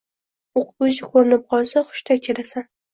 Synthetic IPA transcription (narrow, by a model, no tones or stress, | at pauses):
oqʰbʊd͡ʒɪkʰoɾɪnɪp̚qʰɒlˠsaχʊ̥ʃt̪ʰakʲʰeɾasan